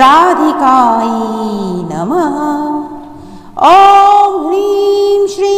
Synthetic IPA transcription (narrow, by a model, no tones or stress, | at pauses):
aːd̪ʱikaːjinɐ̰mɐ | ombʱɾiːmʃɾiː